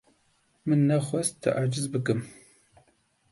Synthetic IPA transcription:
mɨnɐχʷɔstʰɨ̰ʔaːd͡ʒɪzbɨɡɨm

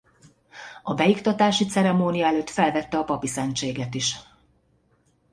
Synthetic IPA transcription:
ɒbɛjikt̪ɒt̪aːʃit̪sɛɾɛmoːnijɒɛløːt̪fɛlvɛt̪ːɛɒpɒpisɛnt͡ʃeːɡɛt̪iʃ

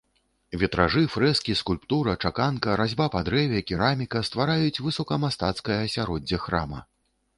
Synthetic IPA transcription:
vʲɛt̪ɾaʐɨfɾɛskʲiskulʲpt̪uɾɐt͡ʂakankɐɾazʲbapad̪ɾɛvʲɛkʲiɾamʲikɐst̪vaɾajut͡sʲvɨsɔkɐmast̪at̪skɐjɐsʲaɾɔd͡zʲːɐxɾa̰mɐ̰

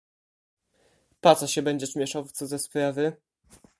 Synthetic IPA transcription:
pat̪saɕɛbɛɲd͡ʑɛʂmʲjɛʂawt̪sɔzɛspɾavɘ

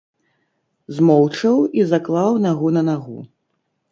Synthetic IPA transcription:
zmɔwt͡ʂɐwizaklˠawnaɣunɐnaɣṵ

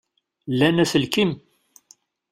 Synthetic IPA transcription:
lænæθəlkim

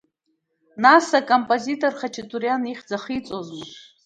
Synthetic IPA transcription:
nasakʼompʼozitʼorχat͡ʃʰitʰʼuɾjaniχʲd͡zaχit͡sʼozmɨ

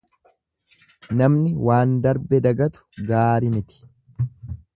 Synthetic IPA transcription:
nɐmnɪwaːnd̪ɐɾbɛd̪ɐɡɐt̪ʊ̥ɡaːɾɪnɪt̪ɪ̥

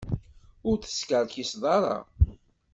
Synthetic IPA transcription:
ʊɾθə̥skəɾçisðˤɑɾˤɑ̰

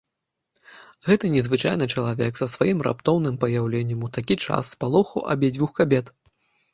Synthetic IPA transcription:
ɣɛt̪ɨnʲɛzvɨt͡ʂa̰jnɨt͡ʂɐlˠavʲɛ̰ksɐsvajimra̰pt̪ɔwnɨmpɐjawlʲɛnʲːɐmut̪akʲit͡ʂa̰sːpalˠɔxuʔa̰bʲɛd͡zʲvʲuxkabʲɛt̪

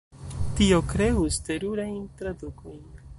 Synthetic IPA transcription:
tio̞kɾe̞uste̞ɾuɾajntɾaduko̞jn

